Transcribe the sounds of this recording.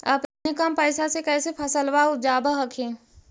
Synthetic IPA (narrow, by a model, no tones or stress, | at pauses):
a̰pnekampəːsasekɛːsepʰɐsəlʋaʊd͡ʒaːbaɦəkʰẽː